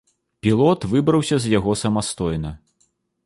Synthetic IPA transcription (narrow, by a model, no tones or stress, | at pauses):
pʲilˠɔt̪vɨbɾɐwsʲɐzjaɣɔsɐmast̪ɔjnɐ